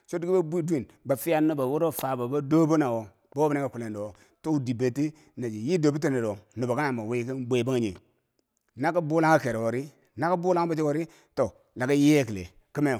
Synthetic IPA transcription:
so˦di˦ɡi˦ba˦bu˦i˦di˦˨nba˨fi˦a˦nu˦ba˨wu˦ɾo˦˨fa˨ba˨ba˦do˦bo˦na˨wo˨ | bo˦o˦ba˨na˦ɡa˨ku˨le˨ndo˨wo˨ | to˦u˨di˨be˨ti˦ | na˨d͡ʒi˨ji˦do˨bi˦t̬e˦ne˨ɾo˨nu˨ba˨ka˦na˨ma˨we˦ki˦nbʷe˨ba˦ŋa˨ɲḭ˨ | na˦ka˦bu˦la˦ŋa˦ke˨ɾe˨wo˨ɾi˦ | na˦ka˦bu˦la˦ŋ˦ba˨t͡ʃi˦wo˨ɾi˦ | to˨ | la˨ɡa˦je˦ki˨lḛ˨ | ki˦me˦˨

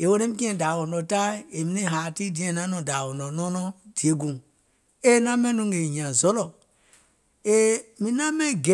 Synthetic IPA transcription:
e˨wo˦ne˦mi˦ki˦ẽ˨da˨wo˨no˨ta˦e˨mi˦ne˦˨ɦa˨ti˦di˨˦ẽ˨na˦no˨da˨wo˨no˨no˦nɔ˦di˨e˦ɡũ˨ | e˦na˦me˦nu˦ŋɡe˨ɲã˨zo˦lo˨ | e˦mi˨na˦me˦ɡe˨

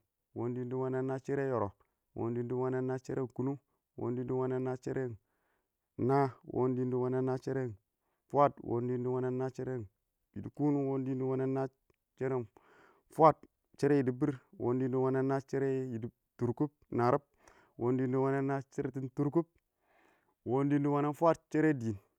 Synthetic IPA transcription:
wo˦ndi˦ndi˦wa˦na˦nːa˦t͡ʃe˦ɾe˦jo˨ɾo˨ | wo̰˦ndi˦ndi˦wa˦na˦nːa˦t͡ʃe˦ɾʔe˦˨ŋ˨ku˦nu˦ | wo̰˦ndi˦n˦di˦wa˦na˦nːa˦t͡ʃe˦ɾe˦˨n | na˦wʔo̰˦ndi˦ndi˦wa˦na˦nːa˦t͡ʃe˦ɾe˦n | fʷa˦twʔo̰˦ndi˦ndi˦wa˦na˦nːa˦t͡ʃe˦ɾe˦˨ | ji˨di˨ku˦nu˦wo˦ndi˦ndi˦wa˦na˦nːa˦ | t͡ʃe˦ɾe˦˨n | fʷa˦˨t̚ | t͡ʃe˦ɾe˦ji˨di˨bi˦ɾwo̰˦ndi˦ndi˦wa˦na˦nːa˦t͡ʃe˦ɾe˦ji˨di˦ | tu˨ɾku˦p̚na˨ɾa˦p̚ | wʔo˦ndi˦ndi˦wa˦na˦nːa˦t͡ʃe˦ɾe˦ti˦ntu˦ɾk̬u˦p̚ | wo˦ndi˦ndi˦wa˦na˦nfwa˦t̚t͡ʃe˦ɾe˦di˨n

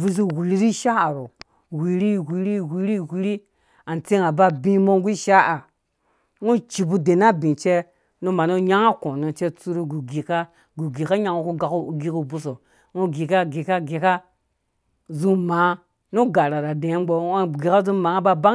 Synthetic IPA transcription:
vi˦zu˦wi˨ɾi˦ɾi˦ʃa˦a˨ɾo˨ | wi˨ɾi˦wi˨ɾi˦wi˨ɾi˦wi˦ɾi˦ | a˨n˨t͡si˦ŋa˨ba˦bĩ˦mo˦ŋ˦ɡʷi˦ʃa˦a˨ | ŋu˦t͡ʃi˨bu˦de˨na˦bĩ˨t͡ʃe˦ | nu˦ma˨no˦ɲa˦ŋa˦kõ˨no˨t͡ʃe˦t͡su˦ɾu˦ɡu˨ɡi˨ka˦ | ɡu˨ɡi˨ka˦ɲa˦ŋu˦ku˦ɡa˨ku˦˨ɡi˦ku˦bu˦so˨ | ŋu˦ɡi˨ka˦ɡi˨ka˦ɡe˨ka˦ | zu˦ma˨˦ | nu˦ɡa˨ɾa˨ɾa˨dẽ˨˦m˦ɡ͡bo˨˦˨ɡe˨ka˦zu˦ma˨˦a˦ba˦ba˦

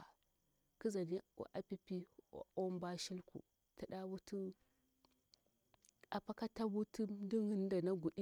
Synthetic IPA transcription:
ki˦za˨nḭ˦˨ʔa˨pi˦pi˦˨o˦m˦ba˦ʃi˦lkṵ˨ | ta˨ɗa˦wu˦tu˦ | a˨pa˦ka˦ta˦wu˦tu˦du˦ŋi˦n˦da˨na˦ɡu˨ɗi˦

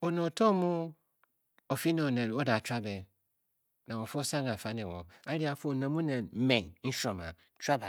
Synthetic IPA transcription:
o˨nɔ̃˨tʰɔ̃˦mũ˦ | o˨fi˦nã˨o˨nɛ̃˨ɾo˦da˨t͡ʃa˦bɛ˨ | nã˨wɔ̃˨fsã˦ŋ˨a˨fa˦nɪ̃˨wɔ̃˨a˦ɾi˦a˨fnã˨mũ˦nɛ̃˨˦mɛ̃˨nn̩˦ʃɔ̃˨mã̰˨ | t͡ʃa˦ba˨

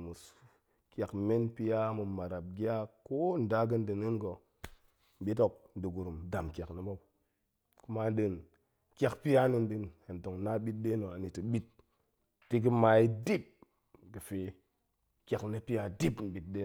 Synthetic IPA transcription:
mu˨s | kja˨kme˦npi˦ja˦mu˨ma˨ɾa˨p̚ɡi˦a˦ko˦n̩˨da˦ɡə˦n˦dɨ˨ni˦nɡo˨ | m̩˨ɓi˦to˨k̚n̩˨di˨ɡu˨ɾu˨mda˨mkʲa˨knə˨mo˦p | ku˦ma˦n˦ɗɨ˦n | kʲa˨kpi˦a˦ni˨n˦dɨ˦nhe˨n˨to˨ŋna˦ɓi˦t̚de˦no˨a˨ni˨ti˨ɓi˦t̚ | ti˦ɡ̬ə˦ma˨i˦di˦p̚ | ɡə˨fe˨ | kʲa˨knə˦pi˦ja˦di˦pm̩˨bi˨t̚de˦

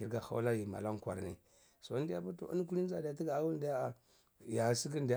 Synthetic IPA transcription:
i˨ɾɡa˨xa̰˦wla˦ji˨ma̰˨la˦ŋkʷa̰˨ɾnḭ˨ | so˨˦ndi˦ja˦bu˦tṵ˨ṵ˦n˦ku˦li˦n˦za˨da˨˦ti˦ɡa˨˦wu˦ndi˦ja˦a˨ | ja˨si˦ki˦ndi˨˦

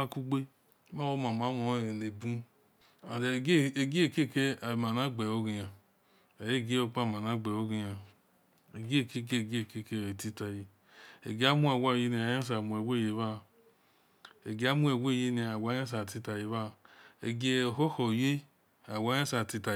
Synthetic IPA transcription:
a˦ku˦ɡ͡be˦ | ma˦wo˦ma˨m˨a˨˦mo˨˦˨ne˨bu˦ | a˨˦e˨ɡe˦˨ke˦˨ke˦a˨ma˨na˦ɡ͡be˨o˦ɡi˨ja˨ | a˨je˦˨ɡe˦o˧k͡pa˦˨ma˨na˦ɡ͡be˨o˦ɡi˨˧ja˨ | e˨ɡke˦˨ke˦˨ɡke˦˨ke˦˨e˨ti˦ta˨je˨ | ḛ˨ɡe˨˦a˦mu˦a˨wʷa˦˨je˧˦ni˨a˨ja˦s̬a˨mu˨e˨wʷe˦˨je˨ba˦˨ | e˨ɡe˨˦a˦mu˦e˨wʷe˦˨je˦ni˨˦˨a˨wa˨˦a˦s̬a˨ti˧ta˨je˨βa˦˨ḛ˨ɡe˦o˨ho˦ho˨je˦ | a˨wa˨˦a˦sa˨ti˧ta˨

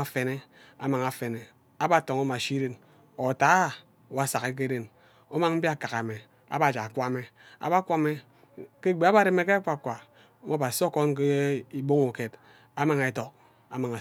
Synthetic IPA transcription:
a˨fe˨ne˦a˨ma˨ŋa˨fe˨ne˨ | a˦ba˦to˨ŋo˦ma˨ʃi˦de˦n | o˨ta˦˨ | wa˨˦˨sa˨ke˦k̬e˦de˦n | o˦ma˦ŋm̩˦bi˦a˦ka˨ka˨me˨ | a̰˦ba˨d͡ʒa˨kʷa˦me˨ | a̰˨ba˦kʷa˦me˦ | ke˦˨ɡ͡be˨a˦ba˦˨ɾe˦m˦e˦ke˦a˦kʷa˨kʷa˨˦ | mo˦ba˨so˦ko˦ŋ˦ke˦i˦bo˦ŋo˨ke˨t | a˦ma˨ŋe˨to˨k̚ | a˨ma˨ŋa˨

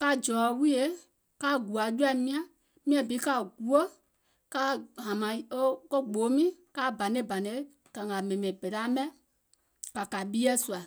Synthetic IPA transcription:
ka˧d͡ʒɔː˨˦wi˦e˦ | ka˧˦ɡu˨a˨d͡ʒu˦a˦˨mĩ˦ã˨ | mĩ˦ã˧˨bi˨˦ka˧˨ɡu˨o˦ | ka˦ɦã˨mã˨o˦ko˦ɡ͡boː˨˦mĩ˦ka˧˦˨ba˨nẽ˨˦ba˨ne˨˦ | ka˨ŋa˨mɛ̃˨mẽ˨be˨ɾa˦mɛ̃˦ | ka˨ka˨ɓi˦ɛ˦su˨a˨

